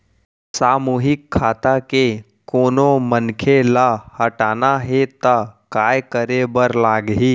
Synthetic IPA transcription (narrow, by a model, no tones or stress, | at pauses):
saːmuːɦɪkʰːaːt̪ake | koːnomənkʰelahəʈaːnaɦet̪akaːjkəɾebəɾlaːɡɦiː